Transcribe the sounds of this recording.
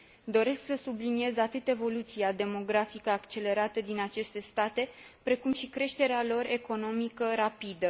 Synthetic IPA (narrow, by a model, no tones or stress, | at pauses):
d̪o̞ɾe̞sksəsublinie̞zat̪ɨt̪e̞vo̞lut̪siad̪e̞mo̞ɡɾafikəakt͡ʃe̞le̞ɾat̪əd̪inat͡ʃe̞st̪e̞st̪at̪e̞pɾe̞kumʃikɾe̞ʃt̪e̞ɾealo̞re̞ko̞no̞mikəɾapid̪ə